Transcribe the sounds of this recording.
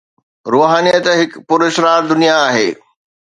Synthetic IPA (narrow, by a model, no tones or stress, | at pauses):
ɾoːɦaːnijət̪ɦɪkpʊɾɪʃɾaːɾd̪ʊnijaːɦeː